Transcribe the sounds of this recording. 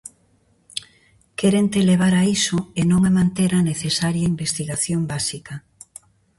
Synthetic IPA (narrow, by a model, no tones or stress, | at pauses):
keɾent̪eleβ̞aɾaisoenõŋamãnt̪eɾaneθesaɾjaimbest̪iɣaθjombasikɐ